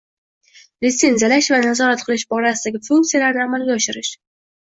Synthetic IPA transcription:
lɪt̪se̞nzijalaʃvanazɒɾat̪̚qʰɨlˠɪʃbɒɾasɪd̪aɡʲɪfuŋk̚t̪sijalaɾnɪamalɡʲaɒʃɪɾɪʃ

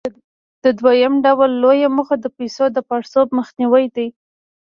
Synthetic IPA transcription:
d̪̥əd̪wajəmɖawlːojaməxad̪əpajsod̪əpɑɽsob̚məxniwəjd̪aj

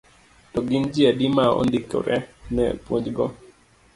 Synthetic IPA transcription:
tɔɡɪnd͡ʒiadimaɔ̰ndikɔ̰ɾʔɛnɛpwoɲd͡ʒɡɔ

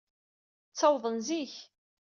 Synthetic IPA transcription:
t͡sːɑwðˤənziç

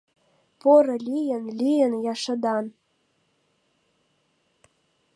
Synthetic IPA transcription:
poɾɤ̆lʲijə̆nlʲijə̆njɑʃɤ̆d̪ɑn

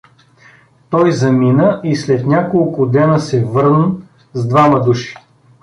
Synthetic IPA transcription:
t̪ɔjzɐminəʔislɛt̪nʲakolˠkʊd̪ɛnəsɛvɤɾnə | zd̪vamɐd̪uʃi̥

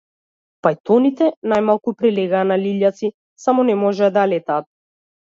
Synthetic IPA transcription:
pajt̪ɔnit̪ɛnajmalˠkupɾilɛɡaːnaliʎat̪si | samɔnɛmɔʒɛad̪alɛt̪aːt̪̚

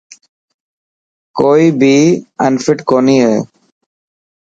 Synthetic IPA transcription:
koːjbiːɛ̰̃ɳɖfɪʈkoniə

